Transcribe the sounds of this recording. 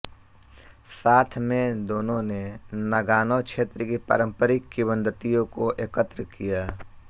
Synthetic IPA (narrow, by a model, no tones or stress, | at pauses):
saːt̪ʰmẽd̪oːnõnenɐɡaːnokʃeːt̪ɾəkipə̰ɾə̃mpəɾɪkːibə̃nd̪ət̪ijõkoʔeːkət̪ɾəkijaː